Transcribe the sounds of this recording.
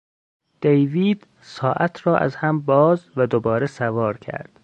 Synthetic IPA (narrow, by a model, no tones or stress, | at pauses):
d̪̥ejviːd̪̥ | sɒːʔæt̪ʰɾɒːʔæ̰zhæmbɒːzvæd̪obɒːɾesævɒːɾkʰæ̰ɾd̪̥